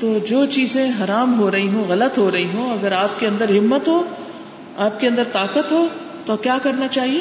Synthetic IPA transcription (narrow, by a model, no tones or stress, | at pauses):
t̪oːd͡ʒoːt͡ʃiːzẽɦɐɾaːmɦoːɾɐɦiɦũɣɐlət̪ɦoːɾɐɦiɦũɐɡəɾaːp̚keɐ̃nd̪əɾɦɪmːət̪ɦoː | aːp̚keɐ̃nd̪əɾt̪aːkət̪ɦoː | t̪okjaːkɐɾnat͡ʃaːɦieː